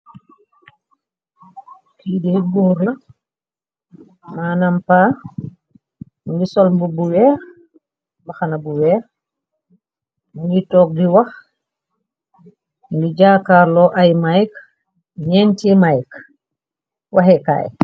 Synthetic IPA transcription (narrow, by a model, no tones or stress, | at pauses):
kiːdihɡuːɾlɐ | manampaː | ɡisɔlmbubuwɛːɾ | baxanabuwɛːɾ | muŋɡitɔːk̚diwɐx | ɡiɟaːkaːɾlɔʔajmajk | ɲɛntimajk | waɦɛka̰ːj